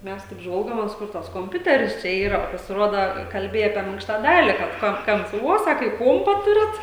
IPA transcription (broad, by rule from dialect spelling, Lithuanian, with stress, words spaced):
ˈmʲɛs tɐɪp ˈʒʋɐlˠɡoːmʲeːs ˈkʊr tɐs koːmʲˈpʲʊtʲɛrʲɪs ˈt͡ʃʲɛ ˈiːrɐ pɐsʲɪˈroːdɐ kɐlʲˈbʲeːjɛ ɐpʲiɛ ˈmʲɪŋkʃtɐ ˈdɑːlʲɪ kɐt ˈkoː ˈkɐmps ʋuɔ ˈsɑːkɐ ɪ ˈkuɔmpɐ ˈtʊrʲɪt